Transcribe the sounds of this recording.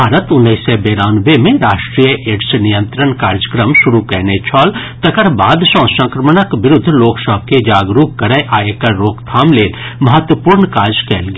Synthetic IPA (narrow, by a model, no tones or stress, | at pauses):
bʱaːɾət̪ʊnːəɪsɛbeːɾaːnbemẽɾaːʃʈɾiːjəʔeːʈsnijə̃nt̪ɾəɳkaːɾd͡ʒəkɾəmʃʊɾukɛːnet͡ʃʰɔːlt̪ɐkəɾbaːd̪ʃɔ̃ːsə̃ŋkɾəməɳəkʋɪɾʊd̪ʱːloːksəb̚ked͡ʒaːɡɾuːkkːɐɾəjʔaːekɐɾoːkt̪ʰaːmleːl | mɐɦət̪wəpuːɾɳkaːɾd͡ʒkɛːlɡ